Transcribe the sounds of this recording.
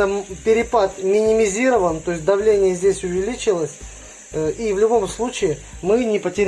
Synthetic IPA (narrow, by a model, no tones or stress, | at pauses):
əpʲɪɾʲɪpat̪mʲɪnʲɪmʲɪzʲiɾəvənt̪o̞jɪsʲt̪ʲd̪ɐvlʲenʲɪjəzʲdʲesʲʊvʲɪlʲit͡ɕɪlˠəsʲ | ivlʲʊbo̞mslˠut͡ɕɪɪ | mɨnʲɪpətʲɪɾʲ